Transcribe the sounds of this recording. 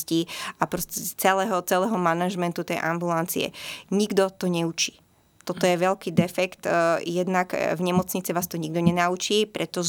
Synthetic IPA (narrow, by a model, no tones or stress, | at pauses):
sciapɾɔscɛt͡sɛlɛɦɔt͡sɛlɛɦɔmanaʒmɛnt̪ut̪ɛjʔambulant͡sḭɛ̰ɲiɡd̪ɔt̪ɔɲɛut͡ʃi̥ː | t̪ɔt̪ɔjɛʋɛʎkiːd̪ɛfɛkt̪jɛd̪naɡvɲɛmɔt͡sɲit͡siʋaːst̪ɔɲiɡ̚d̪ɔɲɛnaut͡ʃiːpɾʔɛt̪ɔʒ